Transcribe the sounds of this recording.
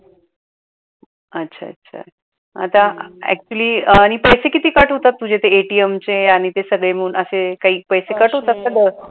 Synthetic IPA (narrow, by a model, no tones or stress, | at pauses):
ətːɕʰa̰ə̰tːɕʰa̰ | a̰t̪aɛ̰k̚t͡ɕuəliːaɽ̃ipəjsekit̪iːkaʈɦot̪at̪ːud͡ʑʱet̪eːʈiemt͡seaɽ̃it̪esəɡɭem̤əɽuːnʔəsekaɦiːpəjsekaʈɦot̪at̪səɡɭe